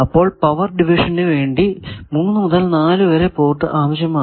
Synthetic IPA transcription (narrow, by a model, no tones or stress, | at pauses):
ɐpːo̞ːɭpɐʋɐrɖiʋiʂɐnnɨʋe̞ːɳɖimunːɨmuðɐlnaːlɨʋɐɾepo̞ːʈːɨʔaːʋɐɕjɐmaː